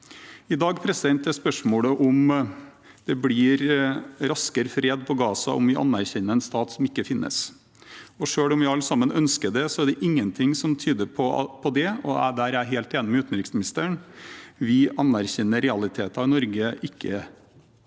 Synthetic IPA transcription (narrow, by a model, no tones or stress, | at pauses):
ɪd̪ɑːɡpʰɾɛsɪd̪ɛnt̪æspœʂmoːɽəʔʊm | d̪̥ɛblɪːɾɾɑskəɾfɾeːd̪pʰɔɡɑːsɑ̰ʔɔ̰mʋɪʔɑ̰nːæɾçɛnːəɾɛnst̪ɑːt̪sɔmɪkːəfɪnːə̰s | ɔʂøːɽɔmʋɪɑlːəsɑmːənœnskəd̪ɛsɔæɖɛʔɪŋːənt̪ʰɪŋsɔmt̪ʰyːd̪əɾpʰɔpʰɔd̪ɛɔ̰æ̰d̪æɾæɦeːlt̪eːnɪmɛʉːt̪ən̩ɾɪːksmɪnɪst̪əɳʋɪʔɑnæɾçɛnːəɾɛɑlɪt̪ʰeːt̪ɑɪnɔɾɡəɪkːə